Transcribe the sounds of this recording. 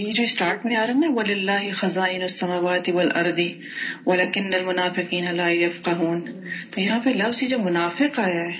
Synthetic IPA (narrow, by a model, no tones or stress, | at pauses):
jed͡ʒoːisʈaːɾʈmẽaːɾɐɦɛ̃ʋɐlɪlːaːɦɪxɐzaːʔɪnʊɐsːɐmaːʋaːt̪ɪʋɐlʔɐ̰ɾd̪i | ʋɐlaːkɪnːɐlmʊnaːfɪqiːnɐlaːjɐfqɐɦuːnt̪ojɐɦãpɐlɐbsid͡ʒoːmʊnaːfɪqaːjaɦɛː